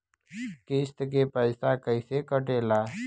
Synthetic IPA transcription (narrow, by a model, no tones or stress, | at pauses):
kest̪k̬epəɪsakəisekəʈeːlaː